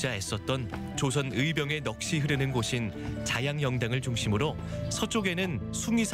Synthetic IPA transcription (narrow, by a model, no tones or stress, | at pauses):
aes͈ʌt̚t͈ʌn | t͡ɕosʰʌnɯibjʌŋe̞nʌk̚ɕ͈iɦɯɾɯnɯnɡoɕʰin | t͡ɕajaŋjʌŋdaŋɯɭt͡ɕuŋɕʰimɯɾo | sʰʌt͡ɕ͈oɡe̞nɯn | sʰuŋisʰ